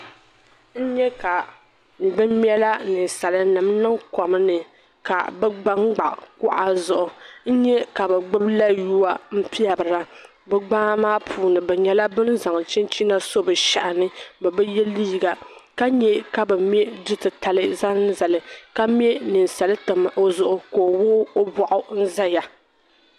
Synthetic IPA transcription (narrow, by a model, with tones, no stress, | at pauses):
n̩˦ɲɛ˦ka˨ | bɨ˦mm˦ɛ˦la˦nɨ˨n˨sa˨lɨ˦nɨ˨m˦nɨ˦ŋkɔ˨m˦nɨ˨ | ka˨bɛ˦ɡ͡ba˦ŋ˦ɡ͡ba˨ʔkʊ˦ʔa˦zʊ˨ʔʊ˨n̩˦ɲɛ˦ka˨bɛ˨ɡ͡bɨ˦bla˦juː˦a˦m̩˦pi˦a˨bɨ˨ɾa˦ | bɛ˦ɡ͡baː˦maː˦pʰuː˨nɨ˨bɛ˨ɲɛ˦la˦bɨ˦n˦za˨ŋ˨t͡ʃɪ˦nt͡ʃi˦na˦so˦bɨ˨ʃa˨ʔa˨nɨ˦bɛ˨bɛ˦jɛ˦liː˦ɡa˨ka˦ɲɛ˦ka˦bɛ˨mjɛ˦dɨ˦tɨ˨ta˨lɨ˦za˦n˦za˨lɨ˨ka˦m˦ɛ˦nɨ˨n˨sa˨lɨ˦tɨ˨m˨ʔo˦zʊ˨ʔʊ˦koː˨wʊː˦o˦bɔ˨ʔʊ˦n̩˦za˦ja˨